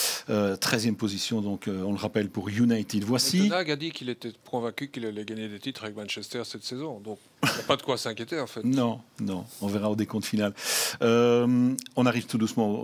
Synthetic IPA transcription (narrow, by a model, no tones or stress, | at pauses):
øt̪χɛzjɛmpozisjɔ̃d̪ɔ̃køɔ̃ləʁapɛlpuʁjunajt̪id̪vwasinaɡad̪ikilet̪ɛpkɔ̃vɛ̃kʲykilavɛɡaɲed̪et̪it̪χavɛk̚mɛ̃nʃɛst̪ɛʁsɛt̪sɛzɔ̃d̪ɔ̃k | apad̪əkwasɛ̃kʲjet̪eɑ̃fɛt̪nɔ̃nɔ̃ɔ̃vɛʁaod̪ekɔ̃t̪finalømɔ̃naʁivt̪ud̪usmɑ̃o